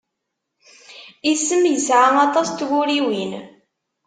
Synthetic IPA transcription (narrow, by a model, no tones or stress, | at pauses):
isːəmjəsʕaɑt̪ˤɑst̪ʝʊɾiwin